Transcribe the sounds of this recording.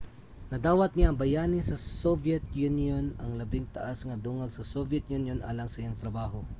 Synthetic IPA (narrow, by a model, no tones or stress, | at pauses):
nɐd̪aːwɐt̪̚nɪaːŋbɐjaːnɪsɐsovjɛt̪̚junjonɐŋlɐbɪŋt̪ɐ̰ʔasŋɐd̪uːŋɐɡsɐsovɛt̪̚junjonʔa̰ːlɐŋsɐjaŋt̪ɾɐbaːɦo̞